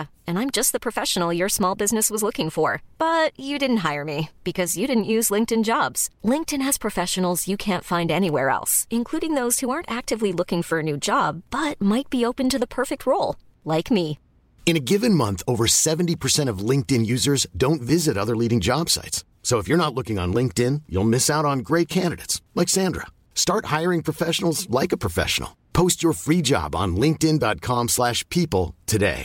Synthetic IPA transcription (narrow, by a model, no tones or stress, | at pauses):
ɨ̃nãɪ̃md͡ʒʌst̪̚ðɨpʰɹ̥ɨfɛʃən̩l̩ˠjə˞smɔlˠbɪznɨswʌzlʊkɪ̃ŋfə˞b̥ʌt͡ʃɨdɪdⁿn̩t̚ɦaɪə˞mib̥ɨkʰʌzjɨɾɪdⁿn̩ʔjʉzlɪ̃ŋk̚tɨ̃nd͡ʒɑbz̥lɪ̃ŋk̚tɨ̃nɨz̥pʰɹ̥ɨfɛʃn̩l̩ˠzjɨkʰæ̃ntfãɪ̃ndɛñiwɛɹɛ̰lˠsɨ̃nkʰl̥uɾɪ̃ŋðoʊz̥huɑɹntæk̚tɨvlilʊkɪ̃ŋfə˞ɨnʉd͡ʒɑb̥ːʌt̚maɪt̚b̥ioʊpɨ̃ntɨðəpʰɜ˞fɨk̚t̚ʰɹoʊlˠ | laɪkmi | ɨ̃ñɨɡɪvɨ̃nmʌ̃nθoʊvə˞sɛvn̩tipʰə˞sɛ̃ɾ̃ʌvlɪ̃ŋk̚tɨ̃njʉzə˞zdõʊ̃ntvɪzɨɾʌðə˞liɾɪ̃ŋd͡ʒɑb̥sa̰ɪtsːoʊəfjə˞ñətˡlʊkɪ̃ŋə̰̃nlɪ̃ŋk̚tɪ̃njṵlˠmɪsaʊɾn̩ɡɹeɪt̚kʰæ̃ndɨɾḛɪtslɛksæ̃ndɹə̰ | stɑɹt̚haɪə˞ɪ̃ŋpʰɹ̥əfɛʃn̩l̩ˠzlaɪkəpʰɹ̥əfɛ̰ʃn̩l̩ˠpʰoʊst͡ʃə˞fɹid͡ʒɑ̰b̃n̩lɪ̃ŋk̚tɪ̃ndɑt̚kʰɑ̃mslæʃpʰipl̩ˠtʰɨdḛɪ